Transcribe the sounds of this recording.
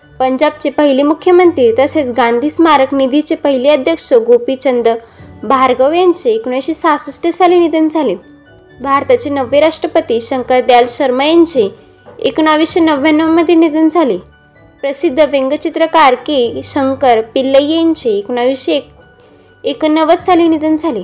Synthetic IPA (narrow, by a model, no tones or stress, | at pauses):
pəɲd͡ʑab̚t͡ɕepəɦilimukʰjəmənt̪ɾiːɾt̪əset͡sɡãnd̪ʱiːsmaɾəknid̪ʱit͡ɕepəɦiliəd̪ʱjəkʂəɡopit͡ɕənd̪ə | bʱaɾɡəʋjant͡seːkuɽ̃ajɕisasəsʈəd͡zalinid̪ənd͡zʱale | bʱaɾt̪at͡ɕenəʋːeɾaʂʈɾəpət̪iːɕəŋkəɾd̪jalɕəɾməjant͡ɕe | ekuɽ̃aʋiɕenəʋanːəʋməd̪ʱjenid̪ənd͡zʱali | pɾəsid̪ʱːəʋeŋɡət͡ɕit̪ɾəkaɾkiːɕəŋkəɾpilːəjeɲt͡ɕeːkuɳaʋiɕk | ekənəʋət͡sd͡zalinid̪ənd͡zʱali